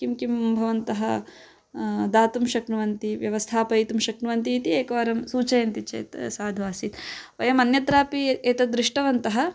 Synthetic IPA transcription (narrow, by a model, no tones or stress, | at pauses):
kimkimbʱɐʋɐnt̪ɐɦɐ | d̪aːt̪umʃɐkɳuʋɐnt̪iʋjɐʋɐst̪ʰaːpɐit̪umʃɐkɳuʋɐnt̪iːt̪ieːkɐʋɐɾɐmsuːt͡ʃɐjɐnt̪it͡ʃḛːt̪saːd̪ʱʋaːsit̪ʋɐjɐmɐnjɐt̪ɾaːpieːt̪ɐd̪ɾiʂʈɐʋɐnt̪ɐɦɐ̆